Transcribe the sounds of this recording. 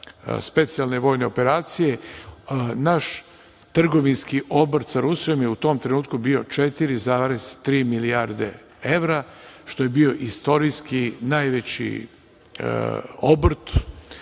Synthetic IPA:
spe̞t̪sijalˠne̞ʋo̞ːjne̞o̞pe̞ɾaːt̪sije̞ | naʃ | t̪r̩ɡo̞ʋinskiʔo̞bɾt̪saɾusijo̞mjeut̪o̞ːmt̪ɾe̞nuːt̪kubio̞t͡ʂet̪iɾizaːɾezt̪ɾiːmiliaɾd̪e̞̰ | eʋɾaʃt̪o̞je̞bio̞ʔist̪o̞ɾiskinajʋet͡ɕḭ | obr̩t̪

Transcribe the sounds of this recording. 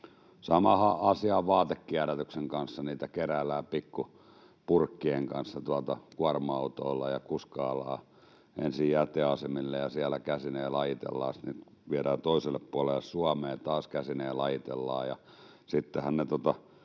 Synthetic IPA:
sɑmɑhɑʔɑsiɑʋʋɑːt̪ekːiæɾæt̪ykseŋkɑnsːɑniːt̪ækerælːˑæːpikːu | purkːieŋkɑnsːɑt̪uɑt̪ɑkuɑrmɑut̪oːlːɑjɑkuskɑːlːˑɑː | ʔensijjæt̪ːeɑsemilːejɑsiælækæsineːlɑjit̪ḛlːɑ̰ːsni | ʋieɾæːt̪oiselːeppuɑlelːˑesuɑmeːt̪ɑːskæsineːlɑjit̪elːɑ̰ːjɑ | sit̪ːehænnet̪ot̪ɑ

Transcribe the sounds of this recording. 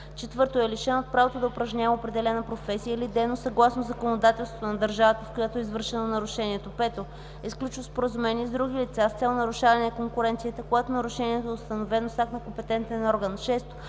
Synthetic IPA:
t͡ʃɛt̪vɤɾt̪oɛliʃɛnot̪̚pɾavot̪od̪ɐʊpɾɐʒɲavəopɾɛd̪ɛlɛnəpɾofɛsijəilid̪ɛnosɐɡlˠasnozɐkonod̪at̪ɛlˠst̪vo̥t̪onɐd̪əɾʒavət̪əfkojat̪oɛizvɤɾʃɛnonɐɾuʃɛniɛt̪opɛt̪o | ɛsklʲut͡ʃvəspoɾəzumɛniɛzd̪ɾuɡ̟ilit̪sast̪sɛlˠnɐɾuʃavɐnɛɐkoŋkʊɾɛnt̪sijət̪əkoɡat̪onɐɾuʃɛniɛt̪oɛʊst̪ɐnovɛnosaknɐkompɛt̪ɛnt̪ɛnɔɾɡənʃɛst̪o̥

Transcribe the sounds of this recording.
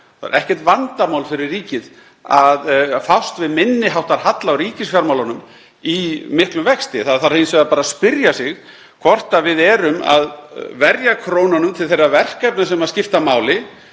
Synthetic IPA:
θaa̰ɾɛhcɛɾ̥t̪vant̪amawlfɪɾɪrːiːcɪð | aðfawst̪vɪðmɪnːɪɦawht̪aɾ̥ɦat̪lawɾiːcɪsfjaɾmawlanʏm | imɪhklʏmvɛkst̪ɪθaðθaɾhejnsvɛðapaːɾaspɪɾjasɪɣ | kʰvɔr̥t̪avɪðɛːɾʏma̰ðvɛɾjakʰɾoːwnanʏmt̪ʰɪlθejrːavɛr̥kajp̚nasɛmaðscɪft̪amaːwlɪ

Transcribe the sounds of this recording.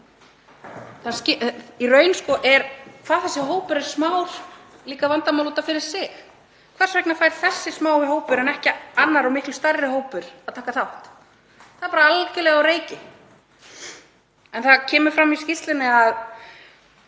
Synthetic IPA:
θascɪirœːɥnskɔʔɛɾkʰv̥aːθɛsːɪɦoːwpʏɾɛɾ̥smawɾ̥liːkavant̪amawluːt̪afɪɾɪɾ̥sɪx | kʰvɛrsvɛknafaːjɾ̥θɛsːɪsmaːwɪɦoːwpʏɾɛnɛhcɪanːaɾawmɪhklʏst̪arɪɦoːwpʏɾaðt̪ʰaːkaθawht̪ | θaðpaɾaalcɪlɛɣawɾeːjcɪ | ɛnθaðcʰɛːmʏɾ̥fɾamiscɪst̪lɪnːɪað

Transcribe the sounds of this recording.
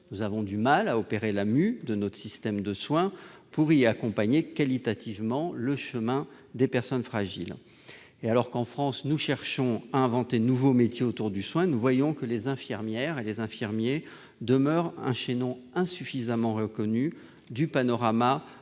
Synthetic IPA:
nuzavɔ̃d̪ymalaɔpeʁelamyd̪ənɔt̪χə̥sist̪ɛmd̪əswɛ̃puʁiakɔ̃paɲekalit̪at̪ʰivmɑ̃ləʃəmɛ̃ | d̪epɛʁsɔnfχaʒḭl | ealɔʁkɑ̃fχɑ̃snuʃɛʁʃɔ̃aɛ̃vɑ̃t̪enuvomet̪jeot̪uʁd̪yswɛ̃nuvwajɔ̃kəlezɛ̃fiʁmjɛʁelezɛ̃fiʁmje | d̪əmœʁɛ̰̃ʃenɔ̃ɛ̃syfizamɑ̃ʁəkɔny | d̪ypanɔʁama

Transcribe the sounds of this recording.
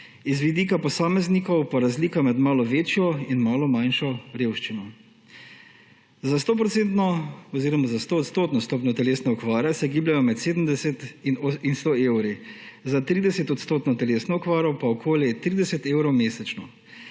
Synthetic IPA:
izʋid̪ikapɔsaːmɛznikɔwpaɾazliːkamɛd̪maːlɔʋeːt͡ʃjɔinmaːlɔmajnʃɔɾeːwʃt͡ʃinɔ | zast̪oːp̬ɾɔt̪sent̪nɔɔziːɾɔmazast̪oːt̪st̪oːt̪nɔst̪oːpnɔt̪ɛleːsnɛɔkʋaːɾɛsɛɡiːblʲjajɔmɛt̪seːd̪əm̩d̪ɛsɛt̪inst̪oːewɾizat̪ɾiːd̪ɛsɛt̪ɔt̪st̪oːt̪nɔt̪ɛleːsnɔɔkʋaːɾɔpaɔkʰoːljɛt̪ɾiːd̪ɛsɛt̪eːwɾɔwmeːsɛt͡ʃnɔ

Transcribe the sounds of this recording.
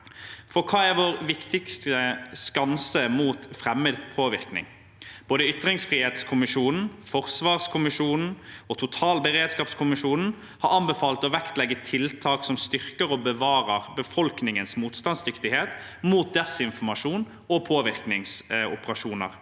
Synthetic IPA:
fɔkʰɑːæɾʋoːɾʋɪkt̪ɪkst̪əskɑnsəmuːt̪fɾɛmːəd̪pʰoːʋɪʁknɪ̰ŋ | b̥oːd̪əʏt̪ʁɪŋsfʁiːheːt̪skʰʊmɪʃuːnn̩fɔʁsʋɑːʁskʰʊmɪʃuːnn̩ɔt̪ʰʊt̪ʰɑːlbəɾeːd̪skɑːpskʰʊmɪʃuːnn̩ | hɑɾɑnbəfɑːlt̪ɔʋɛkt̪lɛɡːət̪ʰɪlt̪ʰɑːksɔmst̪ʏʁkəɾɔbəʋɑːɾəʁbəfɔlknɪŋənsmuːt̪st̪ɑnsd̪ʏkt̪ɪheːt̪ | muːt̪̚d̪ɛsɪnfɔmɑʂuːn | ɔpʰoːʋɪʁknɪŋsʊ̰pəʁɑʃuːnə̰ɾ

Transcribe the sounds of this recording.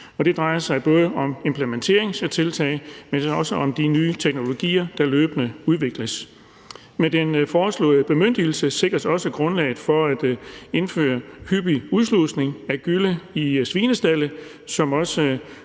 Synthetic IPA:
ɒ̽d̥e̝d̥ʁɑ̈ɪɐsɑ̈ɪb̥ɔ̽ːðˠəʔɒ̽me̝mpʰlement͡sʰe̝̰ɐe̝ŋset͡sʰe̝lt͡sʰɛ̰ːɪmensɒ̽səʔɒ̽md̥inyːt͡sʰeɡ̥̚no̝lo̝ɡ̥ḭːɐd̥ɑ̈løːb̥ənəuð̞ˠʋe̝ɡ̥ləs | med̥enfɒːslɔ̰̽ːð̩ˠəb̥e̝møn̰d̥il̩səse̝ɡ̥ʁɐsɒ̽səɡ̥ʁɔ̽nlɛ̰ːɪð̩ˠfɒ̽æd̥e̝nfø̰ːɐhyb̥iuðˠslusne̝ŋæɡ̥yləisʋiːnəsd̥æl̰ə | sɒ̽mɒ̽sə

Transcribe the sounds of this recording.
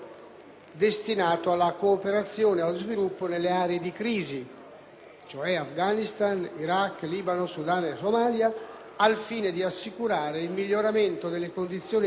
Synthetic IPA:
d̪est̪inaːt̪oalːakoːpeɾat̪sːjoːnealzvilupːonelːeaːɾeed̪ikɾiːzi | t͡ʃoɛafɡanist̪aniɾakːliːbanosud̪anesomaːljaː | lfiːned̪iasːikuɾaːɾeilmiʎːoɾament̪od̪elːekond̪it̪sːjoːn

